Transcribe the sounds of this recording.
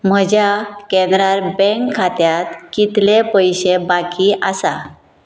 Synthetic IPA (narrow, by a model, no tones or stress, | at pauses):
m̤əd͡ʑjakɛ̃nd̪ɾaɾbɛ̃ŋkʰːat̪jat̪kit̪lepəjɕebakiʔasa